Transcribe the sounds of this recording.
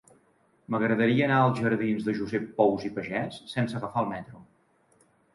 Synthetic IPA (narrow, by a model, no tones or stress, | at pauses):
məɣɾəðəɾiəːnaəlˠzʒəɾðinzðəʒuzɛpːɔwzipəʒɛsːɛnsəɣəfaəlˠmɛt̪ɾu